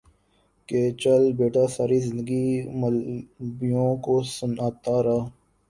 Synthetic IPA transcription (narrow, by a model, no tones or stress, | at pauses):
ket͡ʃɐlbeːʈaːsaːɾiːzɪ̃nd̪əɡiməlbijõːkoːsʊnaːt̪aːɾɐ